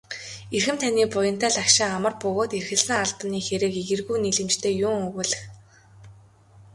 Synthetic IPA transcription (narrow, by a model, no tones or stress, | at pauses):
erxɘ̆mt̪ʰaniːpʊjə̆nt̪ʰæːɮakʃɪ̆ŋamə̆rpɵɣoːt̪erxɘ̆ɮsɘ̆ŋaɮpə̆niːxeɾɘ̆ːkiɣɘ̆rɣujniɮɘ̆mt͡ɕt̪ʰeːjʊŋɵɣŭːɮɘ̆x